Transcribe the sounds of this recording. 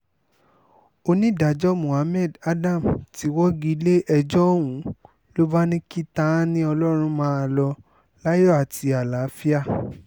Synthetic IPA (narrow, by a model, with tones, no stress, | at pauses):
o˧nĩ˦da˨d͡ʒɔ˦mũ˨a˨˦mɛ˦˨da˦dã˦˨mti˨˦wɔ˦ɡi˦˧˦le˦ʔɛ˧d͡ʒɔ˦˨wũ˨˦ | lo˦ba˦nĩ˦ki˦tã˦nĩ˦ɔ˧lɔ˦ɾ̃ũ˧˦mãː˦a˧lɔ˧ | la˦jɔ˦˨a˨ti˨˧a˨la˨˦fi˦a˦˨